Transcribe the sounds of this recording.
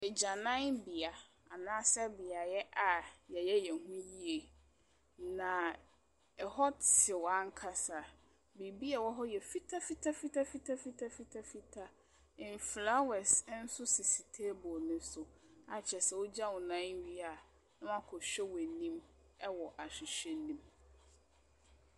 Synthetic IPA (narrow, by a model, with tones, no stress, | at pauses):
ɛ˨d͡ʑa˨nã˦nbi˨a˨ | a˨nãː˦sɛ˦bɪ˨a˨jɛ˦ʔa˨jɛ˨jɛ˦jɛ˨hũ˦ji˦e˨ | nã˨ | ɛ˨hɔ˦tɪ˨wɔ˨a˦ŋ˦kʰa˦sa˨ | bi˨bi˦a˨wɔ˦ɦɔ˦jɛ˨fi˦tʰa˦fi˦tʰa˦fi˦tʰa˦fi˦tʰa˦fi˦tʰa˦fi˦tʰa˦fi˦tʰa˦ | ɪ̃˨mfla˦wɛ˨sn̩˦sʊ˦sɪ˨si˨tʰe˦bɔ˨nʊ̃˦sʊ˨a˨t͡ɕʰɛ˨sɛ˨wo˦d͡ʑa˦wʊ̃˨nã˦ɥi˦a˨ | nã˦mã˦kʰɔ˨ɕᶣɛ˦wɛ˨nĩ˦m | ɛ˦wɔ˨ʔa˨ɕᶣɪ˨ɕᶣɛ˦nĩ˦m